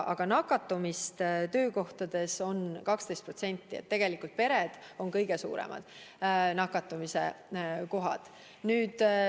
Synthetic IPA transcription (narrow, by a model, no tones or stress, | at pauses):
ʔɑ̰ɡ̥ɑnɑkːˑɑt̪ːˑumist̪t̪ø̞ːko̞ht̪ɑd̪̥e̞so̞nkɑkst̪e̞jst̪pro̞t̪se̞nʲt̪ːˑiet̪ːe̞ɡ̥e̞likult̪̚pe̞ɾed̪̥o̞nkɤjɡ̥e̞sṵːɾḛmʔɑ̰d̪̥nɑkːˑɑt̪ːˑumise̞̰ko̞ɦɑ̰d̪̥ | nyːd̪̥